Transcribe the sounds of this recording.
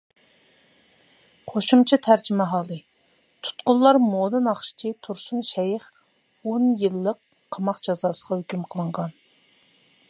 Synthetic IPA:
qʰoʃumt͡ʃʰɛt̪ʰæɾd͡ʒimɛɦɑːlˠɨ | t̪ʰu̥t̪qʊlˠlːˠɑɾmoːd̪ɨnɑχʃi̥t͡ʃʰit̪ʰuɾsunʃɛjɪχ | onjɨlˠːəqʰː | ɑmɑqd͡ʒɑzɑːsəʁɑhøkʲymqʰəlˠəɴʁɑn

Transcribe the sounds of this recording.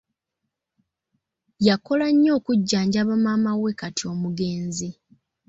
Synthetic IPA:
jako̞laɲːo̞ːkuɟːaːɲɟaβamamawe̞katio̞ːmuɡe̞ːnzi

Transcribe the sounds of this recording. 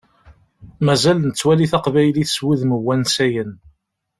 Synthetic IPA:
mæzælnət͡sːwæliθɑqvæjliθswuðməwːænsæjən

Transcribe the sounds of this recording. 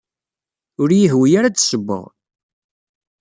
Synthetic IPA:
ʊɾjəɦwijaɾat͡sːsəbːə̰ʁ

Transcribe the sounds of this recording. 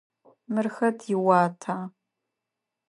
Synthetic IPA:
mɨrxɐtʰjɪwaːtʰaː

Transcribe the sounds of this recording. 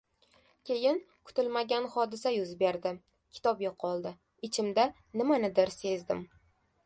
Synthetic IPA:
kʲʰe̞jɪn | kʰʊ̥t̪ɪlmaɡʲanχɒd̪ɪsajʊzbe̞ɾd̪ɪ | kʲʰɪ̥t̪ʰɒbjoqʰːɒlˠd̪ɪ | ɪt͡ʃʰɪmd̪a | nɪmanɪd̪ɪɾse̞zd̪ɪm

